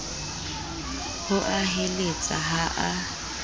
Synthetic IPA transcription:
hʊʔaɦelet͡sʼa̰ɦaʔa

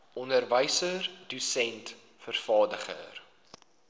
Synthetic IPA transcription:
ʔɔndərvəjsərdusɛnt | fərfɑːdəχə̰r

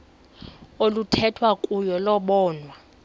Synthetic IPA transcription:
olutʰɛtʰwakʼujɔlɔɓɔːnwa

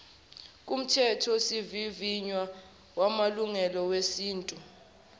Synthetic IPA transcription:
k̬ʼum̩tʰɛtʰɔsiviviɲwa | wamaluŋɛlɔwesiːntʼu

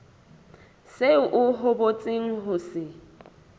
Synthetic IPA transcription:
seʔʊɦʊbot͡sʼɪŋ̩ɦʊsɪ

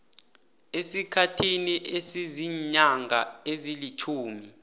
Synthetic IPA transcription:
esikʰatʰiniʔesiziɲaŋɡʱaezilit͡ʃʰuːmi

